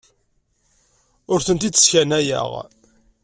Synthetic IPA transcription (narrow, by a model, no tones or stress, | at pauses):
ʊɾθənt̪id̪ə̥sçænæjə̰ʁ